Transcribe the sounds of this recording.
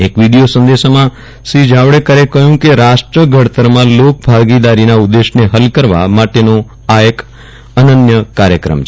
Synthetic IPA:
ekʋiɽijosə̃nd̪eʃmã | sid͡ʒaʋɽekəɾekəjũkeɾaʃʈɾəɡʱəɽt̪əɾmãlok̚bʱaɡid̪aɾinaud̪ːeʃneɦəlkəɾʋa̰maʈeno | aək | ənənjəkaɾjəkɾə̰mt͡ʃʰ

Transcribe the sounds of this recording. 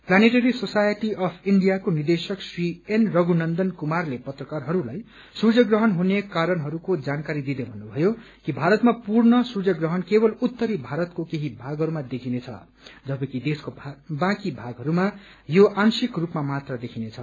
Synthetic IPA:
planeʈʌɾisosajʌʈiʌpʰiɳɖijakonird̪esʌksrienrʌɡunʌnd̪ʌnkumarlepʌt̪rʌkarɦʌɾulaj | sud͡zʌɡrʌɦʌnɦunekaɾʌnɦʌɾukod͡zankaɾid̪id̪ebʱʌnːubʱʌjo | kibʱaɾʌt̪mapurnʌsud͡zʌɡrʌɦʌnkebʌlut̪ːʌɾibʱaɾʌt̪kokeɦibʱaɡɦʌɾumad̪ekʰinet͡sʰʌ̰ | d͡zʌbʌkid̪eskobãkibʱaɡɦʌɾuma | joʔansikrupmamat̪rʌd̪ekʰinet͡sʰʌ

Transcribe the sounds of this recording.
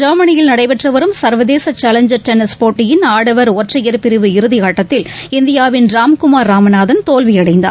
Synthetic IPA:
d͡ʒɐːmɐnɪjɪlnɐɽɐɪpɛʈrɐʋɐɾɯmsɐɾʋɐðeːsɐt͡ʃːaːlɐɲd͡ʒɐɾt̪ɛnɪspoːʈːɪjɪnaːɽɐʋɐɾoːʈrɐjɐɾpɪɾɪʋɯɪɾɯðɪjaːʈːɐt̪ːɪlɪnd̪ɪjaːʋɪnɾaːmkʊmaːɾːaːmɐnaːðɐnt̪oːlʋɪjɐɽɐɪnd̪a̰ː

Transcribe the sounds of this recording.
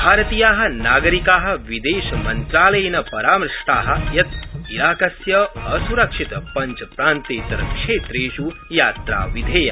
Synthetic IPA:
bʱaːɾɐt̪ijaːɦɐ̆naːɡɐɾikaːɦɐ̆ʋid̪eːʃɐmɐnt̪ɾaːlɐjnɐpɐɾaːmɾɐʂʈaːɦɐ̆jɐt̪ilaːkɐsjɐɐsuɾɐkʂit̪pɐɲt͡ʃpɾaːnt̪eːt̪ɾɐ̰kʂeːt̪ɾeːʃujaːt̪ɾa̰ːʋid̪ʱeːjɐ

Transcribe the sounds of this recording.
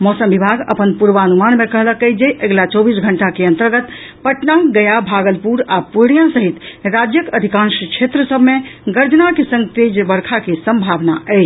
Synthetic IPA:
mɔsəmbibʱaɡə̰pənpuɾʋaːnumanmekəɦləkəjd͡ʒejʔəɡlat͡ʃɔbisɡʱəɳʈakeə̃nt̪əɾɡət̪pəʈnaɡəjabʱaɡəlpuɾapuɽ̃jãsəɦit̪ɾad͡ʒjəkəd̪ʱikãnʃkt͡ʃʰet̪ɾəsəbʱmeɡəɾd͡ʒnakesə̃ŋɡt̪ed͡ʒbəɾkʰakesəmbʱabnaɛjt͡ʃʰ

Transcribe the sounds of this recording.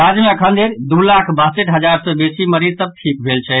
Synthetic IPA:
ad͡ʒmeəkʰənd̪ʱeɾd̪ulakʰbəɦseʈɦəd͡ʒaɾsəbesiməɾiɾsəb̚ʈʰik̚bʱelt͡ʃʰɛ

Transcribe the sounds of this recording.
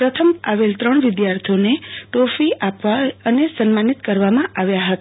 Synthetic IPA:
pɾət̪ʰəmaʋelt̪ɾəɳʋɪd̪jaɾt̪ʰioneʈofiʔapʋaənesənmanit̪kəɾʋamãʔaʋjaɦət̪a

